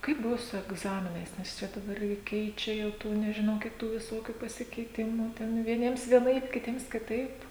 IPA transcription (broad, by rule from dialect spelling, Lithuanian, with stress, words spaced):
ˈkɐɪp ˈbʊʋoː sʊ ɛɡˈzɑːmʲɪnɐɪs nʲɛs ˈt͡ʃʲɛ dɐˈbɐr ɡʲɪ ˈkʲɛɪt͡ʃʲɛ ˈjɛʊ ˈtuː nʲɛʒʲɪˈnɐʊ ˈkʲiɛk ˈtuː ʋʲɪˈsoːkʲʊ pɐsʲɪkʲɛɪˈtʲɪmʊ ˈtʲɛn ʋʲiɛˈnʲiɛms ʋʲiɛˈnɐɪp kʲɪˈtʲiɛms kʲɪˈtɐɪp